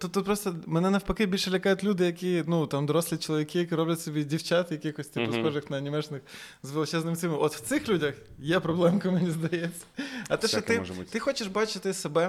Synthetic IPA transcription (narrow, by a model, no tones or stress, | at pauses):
t̪ut̪ːut̪̚pɾɔst̪ɔmɛnɛnɐwpɐkɪbʲilʲʃɛlʲɐkɑjʊtʲlʲud̪ɪjɐkʲinut̪ɑmd̪ɔɾɔslʲit͡ʃolˠɐʋʲikɪjɐkɪɾɔblʲɐtʲsɔbʲidʲiwt͡ʃɑt̪jɐkʲixɔsʲt̪ʲipʊsxɔʒɪxnɐnʲimɛʒnɪxzʋelˠɪt͡ʃɛznɪmsʲimɪʔɔt̪w̥t̪sɪxlʲudʲɐx | jɛpɾɔblˠɛmkˠmenʲizd̪ɐjɛt͡sʲːɐ̥ɐt̪ɛʃɔt̪ɪt̪ɪxɔt͡ʃɪʃbɑt͡ʃɪt̪ɪsebɛ